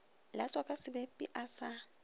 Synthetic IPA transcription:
lat͡sʼwakʼasɪbɛpʼḭʔasa

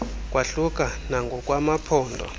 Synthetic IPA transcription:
kʼwaɬuk̬ʼanaŋɡʱɔkʼwamapʰɔːndʱɔ̰

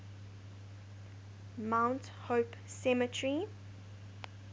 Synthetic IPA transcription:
mãʊ̃nt | hoːp | sɛmətʰɹi

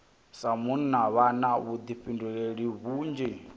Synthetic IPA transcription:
samunnaβanaβud̪iɸinduɺeɺiβuːnd͡ʒɛ

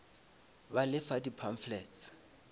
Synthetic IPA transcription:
balɪfadipʰaɱflɛːtt͡s

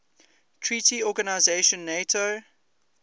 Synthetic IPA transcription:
tʰɹiːtiɔɡanaɪzeʃə̃nːeɪtʰo

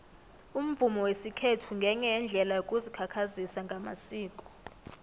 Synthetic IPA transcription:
um̩vumɔwesikʰetʰuŋɡʱɛɲɛjɛnd͡ɮʱɛlajokʼuzikʰakʰazisaŋɡʱama̰siːkʼɔ̥

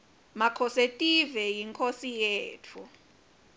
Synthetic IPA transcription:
makʰɔsetʼivɛjiŋkʰʼosijeːtʰu

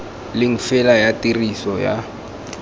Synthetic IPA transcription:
lɪŋ̩fɛlajatirisɔja̰

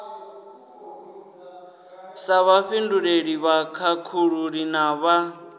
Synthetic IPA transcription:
saβaɸinduɺeɺiβakʰakʰuɺuɺinaβa

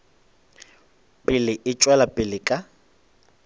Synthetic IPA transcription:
pʼɪlɪʔɪt͡ʃʼwɛlapʼɪlɪkʼa

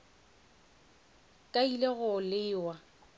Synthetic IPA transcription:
kʼaileɣʊlɪːwa

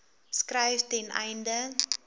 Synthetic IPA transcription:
skrɛjftɛnɛ̰jndə

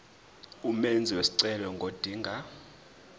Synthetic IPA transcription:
umend͡zʱiwesi̥ǀɛlɔŋɡʱod̥ʱiːŋɡʱa

